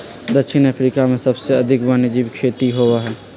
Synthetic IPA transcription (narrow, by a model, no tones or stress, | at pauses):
d̪əkʃinəpʰɾikamesəbseəd̪ʱikbaned͡ʒibkʰet̪iɦoʋəɦɛ